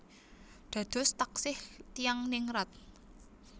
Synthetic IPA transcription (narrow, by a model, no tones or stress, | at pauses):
ɖ̪̥a̤d̪̥ɔ̤st̪aksɪht̪ijaŋnɪŋɾɔt̪̚